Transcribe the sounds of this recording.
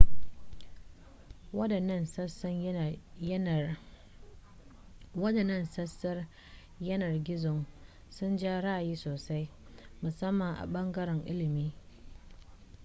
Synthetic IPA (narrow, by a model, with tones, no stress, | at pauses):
wɐ˦dɐ˨nɐ˦˨nsɐ˦sɐ˦ŋ˦ | wɐ˦dɐ˨nɐ˦˨nsɐ˦sɐ˦r | jɐ˦nɐ˨rɡʲɪ˦zʊ˨ŋ | sʊ˦nd͡ʒaː˦ɽa˦˨jiː˦soː˨sa˦jmʊ˨sɐ˦mːɐ˨ŋʔa̰˨ɓɐ˦ŋɡɐ˦ɾɛ˨ŋʔɪ˦lɪ˨miː˦